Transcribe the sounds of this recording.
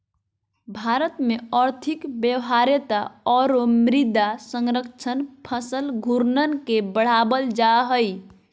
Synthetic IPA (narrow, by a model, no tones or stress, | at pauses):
bʱaɾət̪meəɾt̪ʰikbjəwɦaɾet̪aɔɾomɾid̪asəŋɾəkt͡ʃʰənpʰəsəlɡʱuɾnənkebəɽ̤abəld͡ʒaɦəj